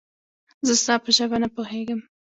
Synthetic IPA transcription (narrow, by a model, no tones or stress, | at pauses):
zəst̪ɑpəʒəbanapoɦeɡəm